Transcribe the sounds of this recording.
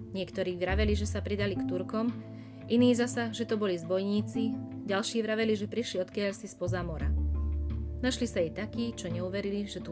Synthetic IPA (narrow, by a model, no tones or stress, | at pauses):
ɲɪɛkt̪ɔɾiːʋɾaʋɛliʒɛsapɾid̪alikt̪uɾkɔm | iniːzasaʒɛt̪ɔbɔlizbɔjɲiːt͡siɟalʃiːʋɾaʋɛliʒɛpɾiʃliɔt̪kɪaʎsispɔzaːmɔɾa̰ | naʃlisajɛt̪akiːt͡ʃɔɲɛuʋɛɾiliʒɛt̪u